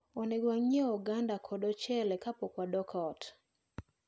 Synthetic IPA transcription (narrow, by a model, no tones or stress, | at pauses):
ɔnɛɡwaŋɲɛɔɡandakʰɔdɔt͡ʃɛlɛkapɔkwadɔkʰɔt